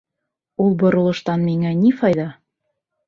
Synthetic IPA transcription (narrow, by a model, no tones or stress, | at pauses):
ulˠbŏɾŏlˠɤ̆ʃt̪ɑnmiŋænifɑjðɑ